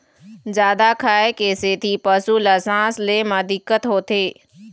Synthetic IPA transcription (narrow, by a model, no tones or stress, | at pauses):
zjaːd̪akʰaːekeːset̪ʰipəsulaːsãːslemãd̪ɪkːət̪ɦoːt̪eː